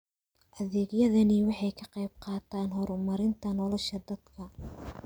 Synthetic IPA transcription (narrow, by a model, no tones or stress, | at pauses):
ʔɐðɛːɡjɐðɐnɪwɑħɑjkʰɐqɑjb̚qɑːt̪ʰaːnɦɔɾʊmɐɾɪnt̪ʰɐnɔlɔʃɐd̪ɐd̪kʰɐ